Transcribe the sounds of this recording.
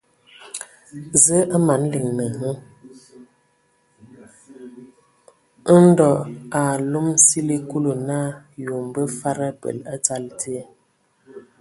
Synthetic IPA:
zə˦ʔa˦ma˨˦n˦li˨ŋnə˨ŋə˦ | n̩˦dɔ˨a˨lo˦msi˦le˦ku˦lo˨na˦˨jo˨m˨bə˦fa˦ɾə˦pə̰˨la˦t͡sa˦ltʰe˦

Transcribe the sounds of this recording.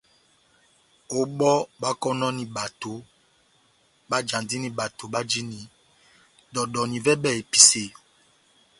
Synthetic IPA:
o˨ɓɔ˦ɓa˦kɔ˦nɔ̃˦nĩ˨ɓa˨to˨ | ɓa˦d͡ʒã˨ndi˦nĩ˨ɓa˨to˨ɓa˦d͡ʒi˦nĩ˨ | dɔ˨ɗɔ˨nĩ˨vɛ˦ɓɛ˦˨e˨pi̥˨se˨

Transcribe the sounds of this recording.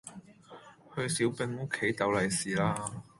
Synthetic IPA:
hɵ˧ɥsi˨˥wpɪ˧ŋo˥kʰːe˨˥jt̪ɐ˨˧wlɐ˨jsiː˨laː˧˥

